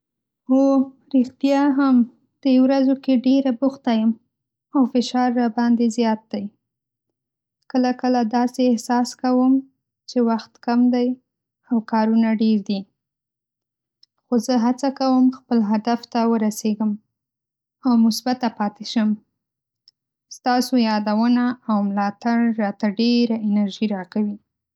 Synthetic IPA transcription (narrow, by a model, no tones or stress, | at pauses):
o | ɾɪxt̪jɑɦam | d̪̥əwɾazokeɖeɾabʊxt̪ajəm | awfɪʃɑɾːabɑnd̪ezjɑt̪̚d̪̥aj | kəlakəlad̪ɑseːhsɑskawəm | t͡ʃewaxt̪kamd̪aj | awkɑɾunaɖeɾd̪i | xozəɦat͡sakawəmxpəlɦad̪aft̪awəɾaseɡəm | awmʊsbat̪apɑt̪ɪʃəm | st̪ɑsojɑd̪awənaːwmlɑt̪aɽːɑt̪aɖeɾaɪnaɾʒiɾɑkawi